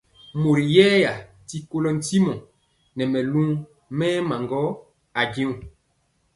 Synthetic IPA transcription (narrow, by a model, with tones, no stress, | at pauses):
mo˨ɾi˨jɛː˦ja˨ | ti˦ko˦lɔ˦n̩˦ti˦mɔ̃˨ | nɛ˨mɛ˨lũ˦ | mɛː˦ma˨ŋɡɔ˦ | a˨ɡĩ˦ũ˨